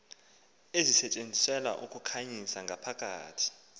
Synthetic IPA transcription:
ezisɛt͡ʃʼend͡zʱisɛla̰ʔukʰʼukʰaɲisaŋɡʱapʰakʼa̰ːtʰi̥

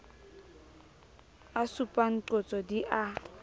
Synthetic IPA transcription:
asupʼaŋ̩ǃot͡sʼɔdiʔa

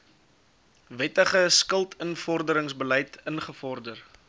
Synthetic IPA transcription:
vɛtəχəskəlˠtʰənfɔrdəɾəŋsbələjtənχəfɔrdər

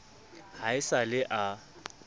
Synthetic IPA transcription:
haɪsalɪʔa

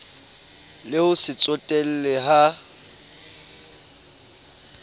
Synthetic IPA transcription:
lɪhʊsɪt͡sʼɔtʼɛl̩lɛɦa

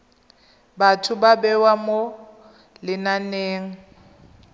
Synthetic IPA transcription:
batʰʊbabɛwamo | lɪnaneːŋ̩

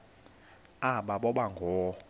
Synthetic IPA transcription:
aɓaɓɔɓaŋɡʱɔː

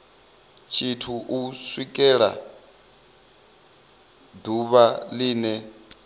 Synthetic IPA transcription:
t͡ʃʰitʰuʔuswikʼɛɺa̰ | d̪uβaliːnɛ

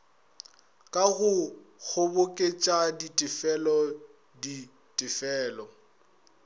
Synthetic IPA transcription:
kʼaɣʊk͡xʰʊbʊkʼet͡ʃʼaditʼɪfɛlɔ | di | tʼɪfɛːlɔ

